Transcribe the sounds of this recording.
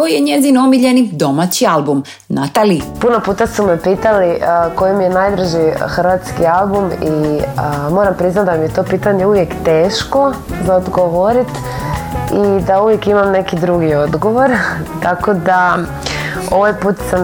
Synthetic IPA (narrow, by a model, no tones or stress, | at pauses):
ojeɲezinomiʎenid̪o̞mat͡ɕialbum | nat̪alipunopuːt̪asumepiːt̪aliəko̞jimije̞najd̪ɾ̩ʒixrʋat̪skialˠbumiəmo̞ːɾampɾiznat̪d̪amijet̪o̞ːpiːt̪aɲeuʋje̞kt̪e̞ːʃko̞zaod̪ɡoʋoɾit̪ | id̪auʋje̞kimamne̞kid̪ɾuɡio̞d̪ɡo̞ʋo̞ɾt̪akod̪a | o̞ʋajpuːt̪sam